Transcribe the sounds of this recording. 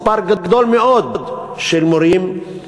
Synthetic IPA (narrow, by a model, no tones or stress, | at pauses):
paɾɡəɡd̪ɔlmeɔd̪̚d̪ | ʃelmoɾim